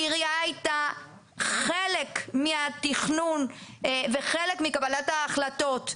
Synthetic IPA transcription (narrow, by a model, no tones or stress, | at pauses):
iʁijaajta | χelekmiatiχnunveχele̞kmikabalataːχlato̞t